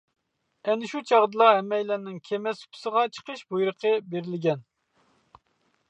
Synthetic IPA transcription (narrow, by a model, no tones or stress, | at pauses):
ɛnɪʃut͡ʃʰɑʁd̪ɨlˠɑɦɛmːɛjlɛnːɪŋkʲʰemɛsy̥pʰʊ̥səʁɑt͡ʃʰə̥qʰəʃbujɾəqʰəbeɾɪlɪɡʲɛn